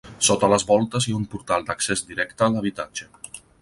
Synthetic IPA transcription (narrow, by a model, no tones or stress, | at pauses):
sot̪ələzβɔlˠt̪əziaumpuɾt̪alˠd̪əksezd̪iɾɛkt̪əːləβ̞it̪ad͡ʒə